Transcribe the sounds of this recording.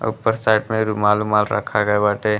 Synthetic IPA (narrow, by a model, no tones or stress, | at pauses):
ṵpːəɾsajʈmeɾumalumalɾə̰kʰaɡəebaʈe